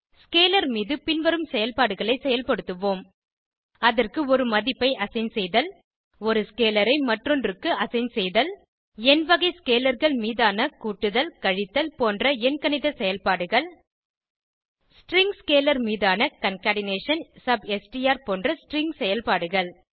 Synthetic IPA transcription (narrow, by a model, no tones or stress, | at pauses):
skeːlɐɾmiːðɯpɪnʋɐɾɯmsɛjɐlpaːɽɯɣɐɭɐɪsɛjɐlpɐɽɯt̪ːɯʋoːm | ɐðɐrkɯɔɾɯmɐðɪpːɐɪʔɐsɐɪnsɛjðɐl | ɔɾɯskeːlɐɾɐɪmɐʈrɔnrɯkːɯɐsɐɪnsɛjðɐl | ɛnʋɐɣɐɪskeːlɐɾɣɐɭmiːðaːnɐkuːʈːɯðɐlkɐɻɪt̪ːɐlpoːndrɐɛnkɐnɪðɐsɛjɐlpaːɽɯɣɐɭ | sʈrɪŋɡskeːlɐɾmiːðaːnɐkɐnkaːɽɪneːʂɐnsɐbɛsʈijaːɾpoːndrɐsʈrɪŋɡsɛjɐlpaːɽɯɣɐɭ